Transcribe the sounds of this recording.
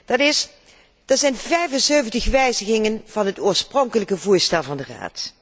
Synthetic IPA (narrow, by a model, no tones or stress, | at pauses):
d̥ɑtɪs | d̥əɹzɛjnvɛjvənsøɥvəntəχʋɛjzəɣɪŋənv̥ɑnɦətoːɹsproŋkələkəvuːɹstɛlˠvɑndəra̰ːt